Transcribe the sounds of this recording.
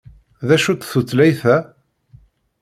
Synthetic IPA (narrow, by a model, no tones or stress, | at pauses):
ðæʃut͡s̪θut͡sːlæjθæ